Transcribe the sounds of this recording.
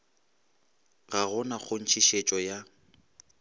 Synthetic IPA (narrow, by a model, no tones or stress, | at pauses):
ɣaɣʊnaχʊn̩t͡ʃʰiʃet͡ʃʼɔja